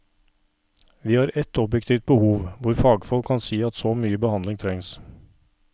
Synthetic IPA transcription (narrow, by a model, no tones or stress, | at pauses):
ʋiːhɑːɾɛt̪ɔbjɛkt̪ʰiːft̪̚bəhuːʋʋʊɾfɑːɡfɔlkʰːɑnsiːɑt̪sɔmyːəbəhɑnlɪŋt̪ʰɾɛŋs